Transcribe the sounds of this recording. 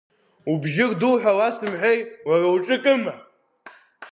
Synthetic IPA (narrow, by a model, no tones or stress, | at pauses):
ubʒɪrdulħʷᶣalasdɨmħʷejwarawʈ͡ʂʼɨkʼɨma